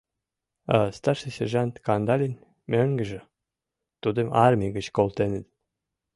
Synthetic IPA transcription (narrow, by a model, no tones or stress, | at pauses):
ɑst̪ɑrʃesʲerʒɑnt̪kɑnd̪ɑlʲenʲ | møŋɡə̆ʒĕ | t̪ud̪ə̆mɑrmʲiɡə̆t͡ɕkolt̪enə̆t̪